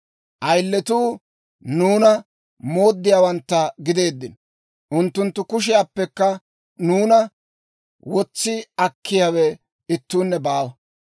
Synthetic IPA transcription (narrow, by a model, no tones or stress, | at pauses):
ʔɐjlːɛt̪uː | nuːnɐ | mo̞ːd̪ːɪjaːwɐnt̪ːɐɡɪd̪e̞ːd̪ːɪn | ʔʊnt̪ːʊnt̪ːʊkʊʃ̬ɪjapːɛkːɐ | nuːnɐ | wɔt͡sːɪɐkʰːɪjawɛ | ɪt̪ːuːnːɛbaːwɐ